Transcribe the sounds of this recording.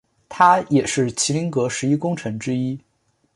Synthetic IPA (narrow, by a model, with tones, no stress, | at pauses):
t̪ʰa˥jɛ˨˩ʂɻ̩˥˩t͡ɕʰi˧˥li˧˥ŋkɤ˧˥ʂɻ̩˧˥i˥kʊ˥ŋʈ͡ʂʰɤ˧˥ŋʈ͡ʂɻ̩˥i˥